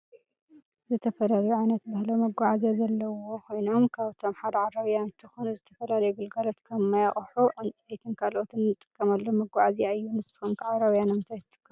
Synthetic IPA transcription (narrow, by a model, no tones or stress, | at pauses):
zɨt̪ʰɐfɐlalɐjuʕajnɐt̪bahlɐwmɐɡaʕazijazɐlːɐwo̞kʰo̞jno̞mkʰaβt̪ʰo̞mħad̪ɐʕaɾɐβjanɨnt̪ʰɨxonuzɨt̪ʰɐfɐlalɐjuɡɨlɡɐlot̪kʰɐmːajaχʼħuʔɨnt͡sʼɐjt̪ʰɨnkʰalʔo̞t̪ɨnːɨt̪ʼɨ̥kʼːɐmalːomɐɡaʕaziaɨjːunɨsɨ̥humkʰʕaɾɐβjanɐmɨnt̪ʰajt̪ʰɨt̪ʼɨ̥kʼːɐ